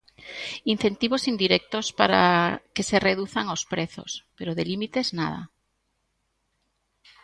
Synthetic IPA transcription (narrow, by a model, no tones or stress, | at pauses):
in̟θent̪iβosind̪iɾek̚t̪ospaɾa̰kesereðuθaŋospɾeθo̰speɾoðelimit̪ezna̰ð̞a̰